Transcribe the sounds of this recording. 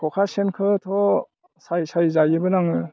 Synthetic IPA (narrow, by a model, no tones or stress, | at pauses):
kʰɔkʰasenkʰɯtʰɔ | sajsajzajɯbɯnaŋɯ